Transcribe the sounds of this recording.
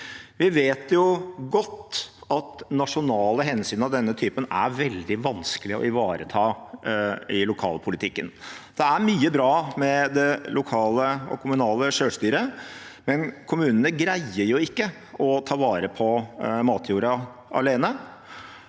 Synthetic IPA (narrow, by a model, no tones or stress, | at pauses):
ʋɪʋeːt̪jʊɡɔt̪ːɑt̪nɑʂʊnɑːləɦɛnsyːnɑʋd̪ɛnːət̪ʰyːpənæ̰ɾʋɛld̪ɪʋɑnskəlɪəɔ̰ɪʋɑːɾət̪ʰɑː | ɪlʊkʰɑ̰ːlpʰʊlɪt̪ʰɪkːənd̪̥ɛæɾmyːəbɾɑːmɛd̪ɛlʊkʰɑːləɔ̰kʰʊmʉnɑːləʂøːʂt̪yːɾə | mɛnkʰʊmʉːnənəɡɾæɪəɾjʊɪkːə | ɔt̪ʰɑːʋɑːɾəpʰɔmɑːt̪ʰjuːɾɑ | ɑ̰leːnə